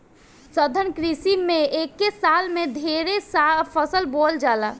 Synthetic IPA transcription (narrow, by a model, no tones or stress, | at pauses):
səd̪ʱənkɾisimeekːesalmed̪ʱeɾesapʰəsəlbold͡ʒala